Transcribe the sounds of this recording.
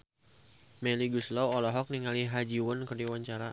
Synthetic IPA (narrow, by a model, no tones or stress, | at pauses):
mɛliɡuslɔwɔlɔɦɔk̚niŋaliɦad͡ʒiwʊnkərdiwaɲt͡ʃaɾa